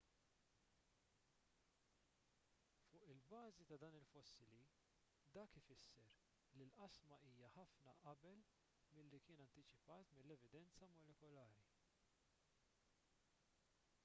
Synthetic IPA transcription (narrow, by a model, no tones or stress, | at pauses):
fʊːʔɪlbɐːzit̪ɐd̪ɐːnɪlfɔsːɪli | d̪ɐːkɪfɪsːɛɾ | lilʔɐsmɐʔiːjɐħɐfnɐʔɐbɛl | mɪlːikɪːnɐnt̪ɪt͡ʃɪpɐːt̪mɪlːɛvɪd̪ɛnt͡sɐmɔlɛkɔlɐːɾi